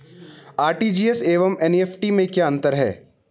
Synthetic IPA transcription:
aːɾʈiːd͡ʒiːeseːʋəmɛneːfʈimẽkjaːə̃nt̪əɾɦɛ̰ː

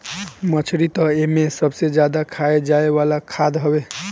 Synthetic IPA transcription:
mət͡ʃʰɾit̪əemesəbsed͡ʒjad̪akʰaed͡ʒaeʋalakʰad̪ɦəbe

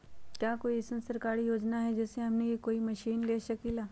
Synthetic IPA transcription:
kjaːkoːiɪsəmsɐɾkaːɾijoːd͡ʒnaɦɛd͡ʒɛːseɦɐmnejikoːimɐʃiːnleːʃɐkilaː

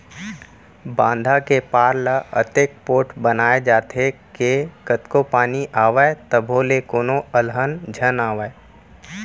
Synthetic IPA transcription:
bãːnd̪ʱakepaːɾlaʔə̰t̪eːk̚poːʈbənaːed͡ʒaːt̪ʰekekət̪kopaːniʔaːʋaet̪əbʱoːlekoːnoəlɦənd͡ʒʱənaːʋae

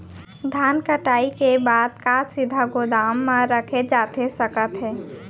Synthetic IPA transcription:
d̪ʱankəʈaikebaːd̪̚kasid̪ʱaɡod̪amːəɾəkʰed͡ʒat̪esəkət̪ɦɛː

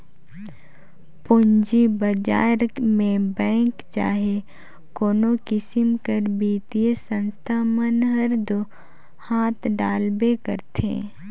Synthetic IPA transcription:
pʊɲd͡ʒibəd͡ʒa̰ːɾmẽbɛ̃ːŋkt͡ʃa̰ːɦe | koːnokɪsɪmkəɾbiːt̪iesə̃nst̪ʰamənɦəɾd̪o | haːt̪ʰɖaːlbekə̰ɾt̪ʰḛ̃ː

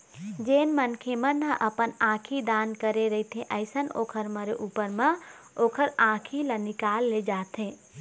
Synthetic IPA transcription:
d͡ʒeːnmənkʰemənəʔəpənãkʰid̪ankəɾeɾəɦit̪ɦẽʔəɪsəno̰ːkʰəɾməɾeʔupəɾme | oːkʰəɾãkʰilənikalːed͡ʒat̪ɦẽ

